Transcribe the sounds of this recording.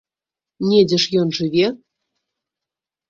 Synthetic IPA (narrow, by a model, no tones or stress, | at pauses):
nʲedʲɘ̆ʂjɔnʐɨvʲe